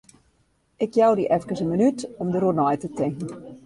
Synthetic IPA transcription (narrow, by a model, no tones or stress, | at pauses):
ɪkjawdiʔɛfkərsənmənytɔmdəɾunɔjtətɪŋkən̩